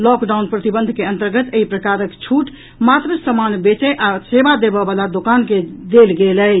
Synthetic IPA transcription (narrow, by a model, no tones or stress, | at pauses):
lɔkɖawnpɾət̪ibənd̪ʱkeə̃nt̪əɾɡət̪eɦipɾəkaɾəkt͡ʃʰuʈ | mat̪ɾəsəmanbet͡ʃəʔasebad̪ebəbalad̪okanked̪elɡeləj